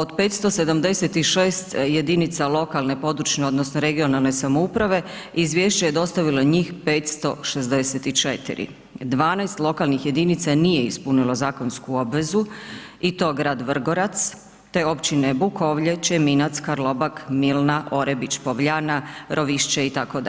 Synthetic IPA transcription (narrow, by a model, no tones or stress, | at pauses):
od̪pe̞t̪st̪o̞se̞d̪amd̪e̞set̪iʃeːst̪jed̪init̪salo̞kalne̞po̞d̪ɾut͡ʃneo̞d̪nosnoɾe̞ɡio̞nalne̞samoupɾaʋe̞ | izʋje̞ːʃt͡ɕaje̞d̪o̞st̪aʋilo̞ɲiːxpe̞ːt̪st̪o̞ʃe̞zd̪e̞set̪it͡ʃet̪ḭɾḭ | d̪ʋaːnajst̪lˠo̞kalnixje̞d̪init̪sanije̞ispunilo̞zaːko̞nskuo̞bʋe̞zuit̪o̞ːɡɾaːd̪ʋr̩ɡo̞ɾat̪s | t̪eo̞pt͡ɕinebuko̞ʋʎet͡ɕeminat̪skaɾlˠo̞bakmilnaʔo̞ɾebit͡ɕpoʋʎanaɾʔo̞ʋiʃt͡ɕeit̪akod̪